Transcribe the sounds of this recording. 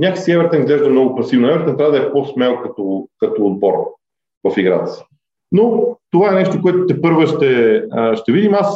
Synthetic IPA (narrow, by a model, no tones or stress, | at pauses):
nʲakəksiɛvɛɾt̪ɛnizɡlɛʒd̪əmnɔɡʊpɐsivnʊɛvɛɾt̪ɛnt̪ɾʲavəd̪ɐɛpɔsmɛlˠkɐt̪okɐt̪oːd̪̚bɔɾ | vɐfiɡɾa̰t̪ə̥s | not̪ovaɛnɛʃt̪okoɛt̪ʊt̪ɛpɤɾvəʃt̪ɛəʃt̪ɛvid̪imas